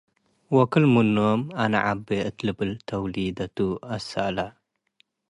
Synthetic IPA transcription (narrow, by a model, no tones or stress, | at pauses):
wɔkɨlmunːomana̰ʕa̰bːeɨt̪lɨbɨlt̪ʰɐwlid̪ɐt̪uɐsa̰ʔla